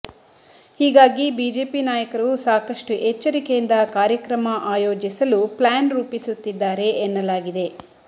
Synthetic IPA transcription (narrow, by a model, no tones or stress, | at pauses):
hiːɡaːɡibiːd͡ʒeːpinaːjɐkɐɾɐusaːkɐʂʈuʔet͡ʃːɐɾikejind̪ɐkaːɾjɐkɾɐmɐʔaːjoːd͡ʒisɐluplaːnɾuːpisut̪ːid̪ːaːɾe̞ʔːnːɐlaːɡid̪e̞